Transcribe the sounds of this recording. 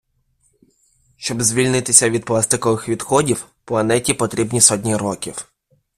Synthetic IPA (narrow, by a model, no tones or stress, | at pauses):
ʃt͡ʃɔbzʲʋʲilʲnɪt̪ɪsʲɐʋʲid̪̚plˠast̪ɪkɔʋɪxʋʲid̪xɔdʲiw | plˠɐnɛtʲipɔt̪ɾʲibnʲisɔt̬ʲnʲiɾɔkʲiw